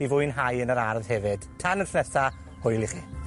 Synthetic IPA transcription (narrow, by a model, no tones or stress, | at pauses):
ivʊɨnɦajənəɾarðhɛvɨd̥tʰanənɬnɛsa | hʊjlˠiχi